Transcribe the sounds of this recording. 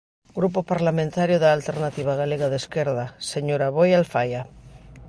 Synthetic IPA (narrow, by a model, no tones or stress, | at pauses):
ɡɾupopaɾlamẽnt̪aɾjoðaːlt̪eɾnat̪iβ̞aɣ̞aleɣaðeskeɾðaseɲoɾaβojalfaja